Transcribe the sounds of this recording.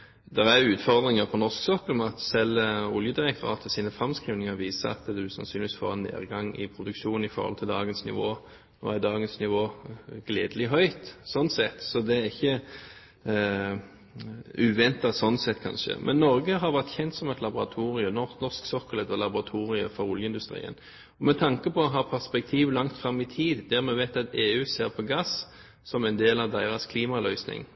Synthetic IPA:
d̪ɛʁæɾʉːt̪fɔʁd̪ʁɪŋəpʰɔnɔsksɔkːəlmɛɑt̪sɛlʊljəd̪ɪʁɛk̚t̪ʰʊʁɑ̰ːt̪ʰəsiːnəfʁɑmskʁiːʋnɪŋəɾʋiːsəɑ̰t̪d̪ʉsɑ̰nsyːnɪʋisfo̰ːʁɛnːḛːʁɡɑŋɪ̰pʰɾʊd̪ʉkʃuːn̩ɪfɔ̰ʁhɔ̰lt̪ʰɪld̪ɑːɡənsnɪ̰ʋoː | ɔ̰æd̪ɑːɡənsnɪʋoːɡ̥leːd̪əlɪɦœʏt̪sɔnsɛt̪ːsɔd̪ɛæʁɪçːə | ʉːʋɛnt̪ɑsɔnːsɛt̪ːkʰɑ̰nʃə̰mʔɛ̰nːɔɾɡəɦɑʁʋæʁt̪çɛnt̪sɔmɛt̪lɑbʊʁɑ̰t̪ʰuːʁɪəmnɔnɔʁsksɔkːələt̪ɔlɑbʊʁɑt̪ʰuːʁɪə̰fɔɾʊljəɪnd̪ʉst̪ɾḭːə̰n | ɔmɛt̪ʰɑŋkəpɔɔɦɑːpʰæʁspɛk̚t̪ʰiːʋlɑŋt̪fɾɑmːɪt̪ʰiːd̪d̪æʁmɛʋæɪt̪ɑt̪eːʉːseːɾpʰɔɡɑs | sɔmɛɪnd̪eːlɑʋd̪æɪɾɑskʰliːmɑlœʏsnɪ̰ŋ

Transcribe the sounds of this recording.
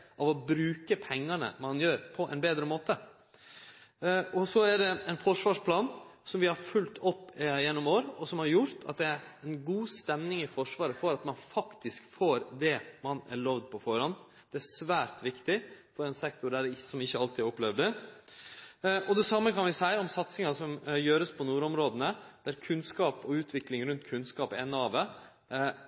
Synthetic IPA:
ʔɑʋɔbɾʉːkəpʰɛŋːɑnə̰mɑnjøːɾpʰɔʔɛ̰nbeːd̪ɾəmoːt̪ə | ɔsɔæɖɛɛnfɔʂʋɑːʂpʰlɑːnsɔmʋɪhɑɾfʉlt̪ʰɔpːjɛnːɔmoːɾɔsɔmhɑɾjʊɾt̪ʰɑ̰t̪̚d̪ɛæɾɛnɡuːst̪ɛmnɪŋɪfɔʂʋɑːɾəfɔɾɑt̪mɑnfɑkt̪ɪskfoːɾd̪ɛmɑnæ̰ɾɭoʋd̪̚pʰɔfɔɾɑn | d̪̥ɛæsʋæːɾt̪ʋɪkt̪ɪfɔɾɛnsɛkt̪ʊɖæɾsɔmɪçːəɑlt̪ɪæɾɔplɛʋd̪ə | ʔɔd̪ɛsɑmːəkɑnʋɪsæɪɔmsɑt̪sɪŋɑsɔmjøːɾəspʰɔnuːɾɔmɾoːd̪ənəd̪̥æɾkʰʉnskɑːpɔʉːt̪ʰʋɪklɪŋɾʉnt̪kʰʉnskɑːpɛnːɑːʋə

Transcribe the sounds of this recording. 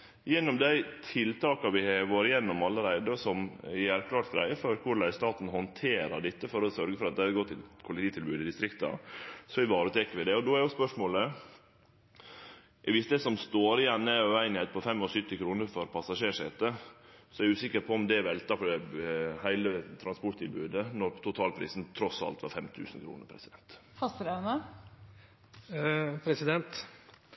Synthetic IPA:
jɛnːɔmd̪æɪt̪ʰɪlt̪ʰɑːkɑʋɪhɑɡoːɾɪjɛnːɔmɑlːəɾæɪd̪əsɔmjæɾkʰlɑːʈt̪̚ɡɾæ̰ɪəfɔɾkʰʊɾɭæɪst̪ɑːt̪n̩hɔnt̪ʰeːɾɑɖ̪ɪt̪ːəfɔɾɔsœɾɡəfɔɾɑt̪d̪æɪɑɾɡɔt̪ʰːɪkʰʊlɪt̪ʰiːt̪ʰɪlbʉːd̪ɪd̪ɪst̪ɾɪkt̪ɑ̰sɔʋɪʋɑːɾət̪ʰɛːkːəɾʋɪd̪ɛɔd̪ɔæɾjʊspœʂmoːlə | ʋɪsd̪ɛsɔmst̪oːɾɪɛnːəœʉæɪnɪhɛɪt̪̚pʰɔfɛmːɔsʏt̪ːɪkʰɾuːnəɾfɔɾpʰɑsɑʂeːʂɛ̰t̪əsɔæɾʉːsɪkːəɾpʰɔɔmd̪ɛʋɛlt̪ɑfɔɖɛhæɪlət̪ʰɾɑnspɔʈt̪ɪlbʉːd̪ənɔɾt̪ʰʊt̪ʰɑːlpʰɾḭːsnt̪ʰɾɔsɑ̰lt̪ʋɑ̰ɾfɛmt̪ʰʉ̰ːsn̩kʰɾṵːnə̰ɾpʰɾɛsɪd̪ɛnt̪fɑst̪ɾɑnə | pʰɾɛsɪd̪ɛnt̪

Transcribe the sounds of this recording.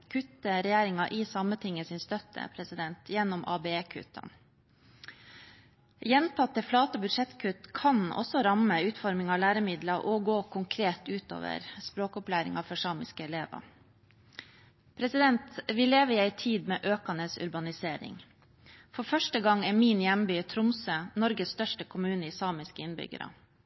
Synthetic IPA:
kʰʉt̪ːəɾɛjeːɾɪŋɑʔɪsɑmət̪ʰɪŋːəsɪnst̪œt̪ʰːə̰pʰɾɛsɪd̪ɛnt̪ʰjɛnːɔmʔɑ̰ːbeeːkʰʉ̰t̪ʰə̰n | jɛnt̪ʰɑt̪ːəflɑːt̪əɔbʉd̪ʂɛt̪kʰʉt̪kʰɑnɔ̰sɔɾɑməʉːt̪fɔɾmɪŋɑːlæːɾəmɪd̪lɑʔɔɡoːkʰʊŋkʰɾeːt̪ʉːt̪o̰ːʋə̰ɾspɾoːkɔplæːɾɪ̰ŋɑfɔʂɑːmɪskəɛleːʋə̰ | pʰɾɛsɪd̪ɛnt̪ʋɪːleːʋəɪːæɪt̪ʰiːd̪meːʔøːkɑnəsʉ̰ɾbɑnɪseːɾɪ̰ŋ | fɔfœʂʈəɡɑŋɛmiːnjɛmbyːt̪ʰɾʊmsənɔɾɡəsst̪œʂʈəkʰʊmʉːnəiːsɑːmɪskəɪnbʏ̰ɡə̰ɾə̰

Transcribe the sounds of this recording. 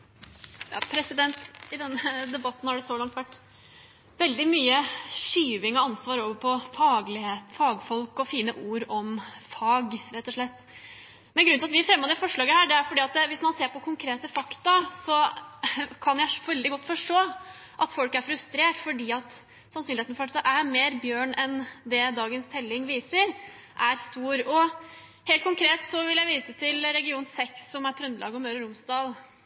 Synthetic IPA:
jɑ̰ːpʰɾɛsɪd̪ɛnt̪ɪd̪ɛnːəd̪ɛbɑt̪ːnhɑɖɛsoːlɑŋt̪ʋæʈː | ʋɛld̪ɪmyːəʂyːʋɪŋɔɑnsʋɑːɾoːʋəpʰɔfɑːɡlɪheːt̪fɑːɡfɔlkɔfiːnəʔuːɾɔmfɑːɡɾɛt̪ːɔʂɭɛt̪ː | mɛnɡɾʉnɪɑt̪ʋɪfɾɛmːod̪ɛfɔʂɭɑːɡəhæːɖɛæɾfɔɖiːɑt̪̚d̪ɛʋɪsmɑnseːɾpɔkʰʊŋkʰɾeːt̪əfɑkt̪ɑsɔ | kʰɑnjæɪʋɛld̪ɪɡɔt̪ːfɔʂʈoː | ʔɑt̪fɔlkæɾfɾʉst̪ɾeːʈfɔɖiːɑt̪ | sɑnsyːnɪeːt̪fɔɾɑɑʔæɾmeːɾbjøːɳɛnd̪ɛd̪ɑːɡənst̪ʰɛlːɪŋʋiːsəɾ | ʔæɾst̪uːɾɔ | heːlkʰʊŋkʰɾeːt̪sɔʋɪljæɪʋiːsət̪ʰɪlɾɛɡɪuːnsɛksːɔmæɾt̪ʰɾʉnd̪əlʔɑ̰ːɡəɔmøːɾəɾʊmsd̪ɑːl

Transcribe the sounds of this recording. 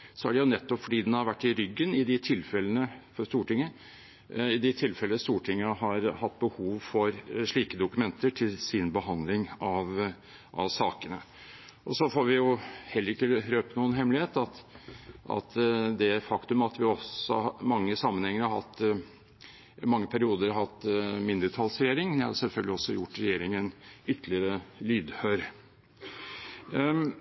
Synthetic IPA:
sɔæɖɛjʊnɛt̪ːɔpfɔɖiːd̪ɛnhɑɾʋæʈːɪɾʏɡːənɪd̪ɪt̪ʰɪlfɛlənəfɔʂt̪uːʈɪŋːə | ɪd̪ɪt̪ʰɪlfɛlənəst̪uːʈʰɪŋːəhɑɾhɑt̪ːbəhuːʋfɔɾʂɭiːkəd̪ʊkʉmɛnt̪əʈʰɪlsɪnbəɦɑnd̪lɪŋɑʋ | ʔɑ̰ʋsɑːkənə | ʔɔsɔfoːɾʋɪjʊhɛlːəɾɪkːəɾøːpənuːənɦɛmlɪheːt̪ɑt̪ʔɑ̰t̪d̪ɛfɑkt̪ʉmɑt̪ʋɪɔsɔ̰mɑŋːəsɑmːənhɛŋːəɾhɑɾhɑt̪ː | mɑŋːəpʰæɾɪuːd̪əɾhɑt̪ːmɪnd̪əʈʰɑlsɾɛjeːɾɪŋnɪhɑ̰ɾsɛlfœlɡlɪɔsːɔjʊʈːɾɛjeːɾɪŋɛnʏt̪ʰlɪəɾəlyːd̪høɾ

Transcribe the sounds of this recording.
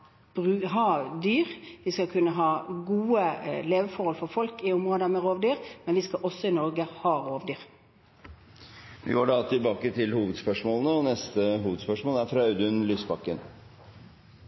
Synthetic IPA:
b̥ʁʉːɦɑːd̪yːʁʋɪskɑkʰʉnːəɦɑːɡuːəleːʋəfɔɾhɔlfɔɾfɔlkɪʊmʁoːd̪əmɛʁoːʋd̪yːɾmɛnʋɪskɑʔɔsːɔɪnɔɾɡəhɑːʁoːʋd̪yːʁ | ʋɪ̰ɑːɖɑt̪ʰɪlbɑːkət̪ʰɪlhuːʋəd̪spœʂmoːlənəɔnɛst̪əɦuːʋəd̪spœʂmoːlæɾfɾɑɑʉd̪ʉnlyːsbɑkːən

